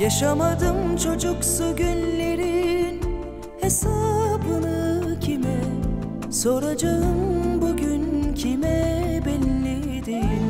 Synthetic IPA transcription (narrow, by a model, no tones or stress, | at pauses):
jaʃamad̪ɯmt͡ʃʰo̞d͡ʒuksuɟynleɾin | hesaːbɯnɯcʰimɛ | so̞ɾad͡ʒaɯmbuɟyncʰimɛbɛnːe | d̪in